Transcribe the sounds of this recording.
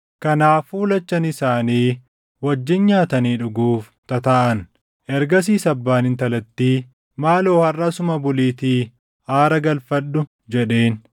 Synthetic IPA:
kɐnaːfuːlɐt͡ʃːɐnɪsaːniː | wɐd͡ʒːɪnɲaːt̪ɐniːᶑʊɡuːf | t̪ɐt̪ɐʔɐn | ʔɛɾɡɐs̬iːsɐbːaːnɪnt̪ɐlɐt̪ːiː | maːlo̞ːhɐrːɐsʊmɐbʊliːt̪iː | aːɾɐɡɐlfɐɗːʊ | d͡ʒɛᶑe̞ːn

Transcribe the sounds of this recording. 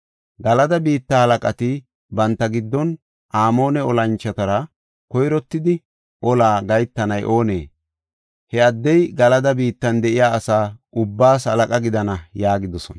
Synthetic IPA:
ɡɐlɐd̪ɐbiːt̪ːɐhɐlɐkʼɐt̪ɪ | bɐnt̪ːɐɡɪd̪ːɔn | ʔaːmo̞ːnɛɔlɐnt͡ʃːɐt̪ɐɾɐ | kɔjɾɔt̪ːɪd̪ɪ | ʔɔlaːɡɐjt̪ːɐnɐjʔo̞ːne̞̰ː | hɛɐd̪ːɛjɡɐlɐd̪ɐbiːt̪ːɐnd̪ɛʔɪjaːɐsaːʔʊbːaːs̬hɐlɐkʼɐɡɪd̪ɐnɐjaːɡɪd̪ɔsɔnɐ

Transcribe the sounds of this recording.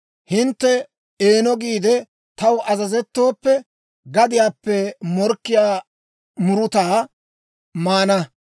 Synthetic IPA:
hɪnt̪ːɛ | eːnɔɡiːd̪ɛ | t̪ɐwʔɐzɐzɛt̪ːo̞ːpːɛ | ɡɐd̪ɪjaːpːɛmɔɾkːɪjaː | mʊɾʊt̪aː | maːnɐ

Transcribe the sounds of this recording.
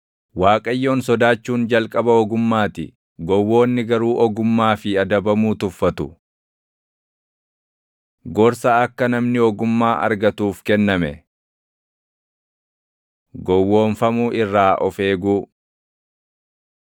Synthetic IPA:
waːkʼɐjːo̞ːnsɔd̪aːt͡ʃːuːnd͡ʒɐlkʼɐbɐɔɡʊmːaːt̪ɪ̰ | ɡɔwːo̞ːnːɪɡɐɾuːʔɔɡʊmːaːfɪɐd̪ɐbɐmuːt̪ʊfːɐt̪ʊ | ɡɔɾsɐɐkːɐnɐmnɪɔɡʊmːaːʔɐ̰ɾɡɐt̪uːfkɛnːɐmɛ | ɡɔwːo̞ːnfɐmuːʔɪrːaːʔɔfe̞ːɡuː

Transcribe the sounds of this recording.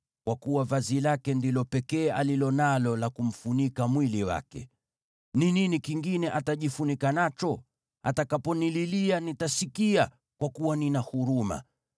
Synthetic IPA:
kwakuwavazilakɛndilɔpɛkɛːʔalilɔnalɔlakum̩funikamwiliwa̰kɛ̰ | nininikiŋɡinɛʔataʄifunikanat͡ʃɔ | a̰takapɔnililianitasikia | kwakuwaninahuɾuma̰

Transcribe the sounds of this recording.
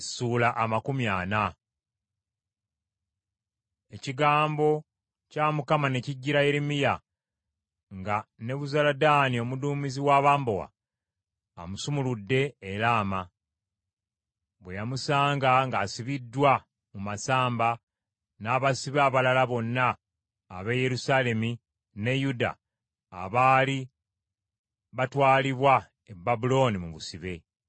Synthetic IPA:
suːlaʔamakumjaːna | e̞ciɡaːmbo̞ | caːmukamane̞ciɟːiɾajeɾimija | ŋɡane̞βuzaladaːnio̞muduːmiziwaːβaːmbo̞wa̰ː | musumuludːe̞ːɾaːma | βwejamusaːŋɡaŋɡaːsiβidːwa | mumasaːmba | naːβasiβeaβalalaβo̞nːaː | βe̞je̞ɾusale̞mi | ne̞juda̰ː | βaːli | βatwaːliβwa | ebːabulo̞nimuβusiβe̞

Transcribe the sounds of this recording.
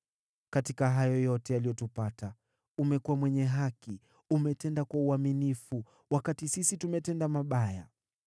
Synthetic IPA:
katikaɦajɔjɔtɛjalijɔtupata | umɛkuwamwɛɲɛɦaki | umɛtɛndakwauaminifu | wakatisisitumɛtɛndamaɓaja̰

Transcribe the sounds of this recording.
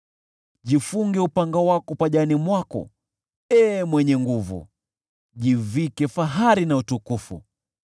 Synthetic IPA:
ʄifuŋɡɛupaŋɡawakɔpaʄanimwakɔ̰ | ɛmwɛɲɛŋɡuvṵ | ʄivikɛfaɦaɾinautukufṵ

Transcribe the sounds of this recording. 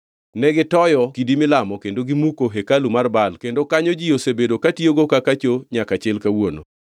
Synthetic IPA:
nɛɡɪtɔjɔkidimɪlamɔkendoɡimukoɦekalumarbalkendokaɲod͡ʒijosebedokatjoɡokakat͡ʃoɲakat͡ʃɛlkawono̰

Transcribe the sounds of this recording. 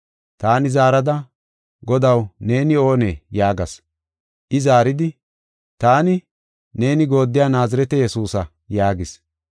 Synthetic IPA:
t̪aːnɪzaːɾɐd̪ɐ | ɡɔd̪ɐwne̞ːnɪo̞ːneːjaːɡɐs | ʔɪzaːɾɪd̪ɪ | t̪aːnɪ | ne̞ːnɪɡo̞ːd̪ːɪjaːnaːzɐɾɛt̪ɛjɛsuːsɐ | jaːɡɪs

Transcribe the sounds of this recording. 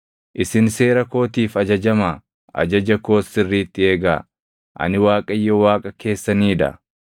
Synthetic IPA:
ʔɪsɪnse̞ːɾɐko̞ːt̪iːfɐd͡ʒɐd͡ʒɐmaː | ʔɐ̰d͡ʒɐd͡ʒɐko̞ːsɪrːiːt̪ːɪe̞ːɡaː | ʔɐ̰nɪwaːkʼɐjːɔwaːkʼɐke̞ːsːɐniːd̪ɐ̰

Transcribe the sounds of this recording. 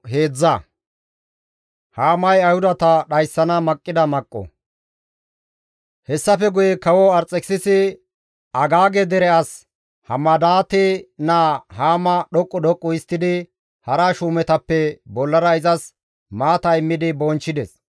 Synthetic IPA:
he̞ːd͡zːɐ | haːmɐjɐjhʊd̪ɐt̪ɐɗɐjsːɐnɐmɐkʼːɪd̪ɐmɐkʼːɔ̰ | hɛsːɐfɛɡʊjɛkɐwɔɐɾt͡sʼːɛksɪsɪ | ɐɡaːɡɛd̪ɛɾɛɐs | hɐ̰mːɐd̪aːt̪ɛnɐɦaːmɐɗɔkʼːɔd̪ɔkʼːʊɪst̪ːɪd̪ɪ | hɐɾɐʃuːmɛt̪ɐpːɛbɔlːɐɾɐɪzɐs | maːt̪ɐɪmːɪd̪ɪbont͡ʃːɪd̪ɛs

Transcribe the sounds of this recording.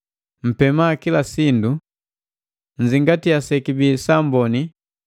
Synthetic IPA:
m̩pɛmakilasindu | ɲ̩d͡ʒiŋɡatijasɛkibisambɔni

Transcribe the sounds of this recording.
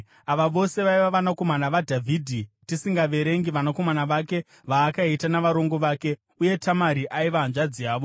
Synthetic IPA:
aʋaʋo̞se̞ʋaiʋaʋanako̞manaʋadʱavʱiːdʱitisiŋɡaʋe̞ɾe̞ŋɡiʋanako̞manaʋake̞ | ʋaːkaitanaʋaɾo̞ŋɡo̞ʋaːke̞ | uje̞tʰamaɾiʔaiʋanʐad͡zijaːʋo

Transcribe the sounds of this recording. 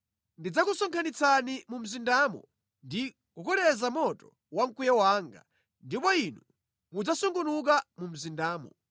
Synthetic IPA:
ndid͡zakusɔŋkʰanit͡sanimum̩zindaːmɔ̰ | ndi | kukɔɾɛzamɔtɔ̥ | waŋ̩kujɛwaːŋɡa̰ | ndipɔinu | mud͡zasuŋɡunuk̬amum̩zindaːmɔ̰

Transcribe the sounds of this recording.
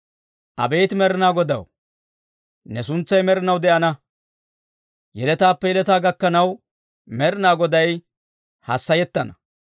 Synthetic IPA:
ʔɐ̰beːt̪mɛɾɪnaːɡɔd̪ɐ̰w | nɛsʊnt͡sːɐjmɛɾɪnɐwd̪ɛʔɐnɐ | jɛlɛt̪aːpːɛjɛlɛt̪aːɡɐkːɐnɐw | mɛɾnaːɡɔd̪ɐj | hɐsːɐjɛt̪ːɐnɐ

